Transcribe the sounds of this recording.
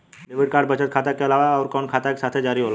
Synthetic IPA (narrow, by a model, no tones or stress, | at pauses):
ɖeʋiɽkaːɾɖ̚bət͡ʃət̪kʰat̪akeəlaʋaɔʊɾkɔnkʰat̪ake̥sat̪ʰed͡ʒaɾiɦola